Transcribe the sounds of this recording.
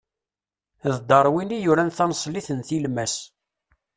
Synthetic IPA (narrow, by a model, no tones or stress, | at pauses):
ðd̪əɾˤwinijuɾænθɑnsˤliθənθilmæs